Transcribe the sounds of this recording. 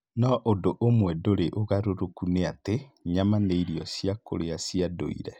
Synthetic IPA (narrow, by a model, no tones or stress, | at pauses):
nɔʔondoʔomwɛdoɾeʔoɣaɾoɾokuneateɲamaneiɾiɔsiako̰ɾeasiado̰ḭɾɛ